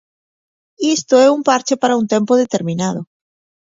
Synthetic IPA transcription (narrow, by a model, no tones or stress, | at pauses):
ist̪oeumpaɾt͡ʃepaɾaunt̪empoð̞et̪eɾmĩnað̞o